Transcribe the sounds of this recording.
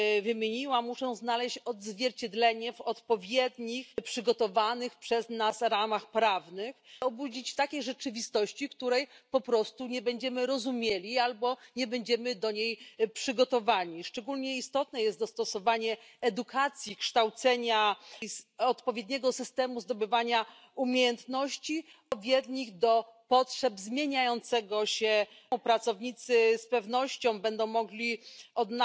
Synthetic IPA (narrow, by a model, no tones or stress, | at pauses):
vɘmʲɲiwamuʂɛ̃znalɛɕt͡ɕɔd̪zvʲjɛɾt͡ɕɛd̪lɛɲɛvɔt̪pɔvʲjɛd̪ɲixpʂɘɡɔt̪ɔvanɘxpʂɛznasɾamaxpɾavnɘxɔbud͡ʑit͡ɕt̪akʲejʐɛt͡ʂɘvʲist̪ɔɕt͡ɕikt̪uɾɛjpɔpɾɔst̪uɲɛbɛɲd͡ʑɛmɘɾɔzumʲjelʲialbɔɲɛbɛɲd͡ʑɛmɘd̪ɔɲejpʂɘɡɔt̪ɔvaɲʲiʂt͡ʂɛɡulɲɛist̪ɔt̪nɛjɛst̪d̪ɔst̪ɔsɔvaɲɛɛd̪ukʰat̪sʲjikʂt̪awt̪sɛɲazɔt̪pɔvʲjɛd̪ɲɛɡɔsɘst̪ɛmuzd̪ɔbɘvaɲa | umʲjejɛnt̪nɔɕt͡ɕiɔvʲjɛd̪ɲiɣd̪ɔpɔtʂɛbzmʲjeɲajɔnt̪sɛɡɔɕɛ̃ | pɾat̪sɔvɲit̪sɘspɛvnɔɕt͡ɕɔ̃w̃bɛnd̪ɔ̃w̃mːɔɡlʲiɔd̪n